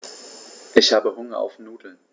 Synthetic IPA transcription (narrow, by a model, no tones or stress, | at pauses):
ʔɪçhaːbəɦʊŋɐʔa̰ʊfnuːdl̩